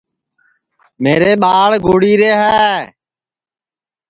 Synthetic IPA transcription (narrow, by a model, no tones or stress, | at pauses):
meːɾeːɓaːɭɡʱoːɽiːɾeːɦɛː